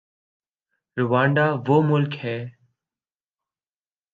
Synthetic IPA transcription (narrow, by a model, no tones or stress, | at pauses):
ɾʊʋaːɳɖaːʋoːmʊlkhɛː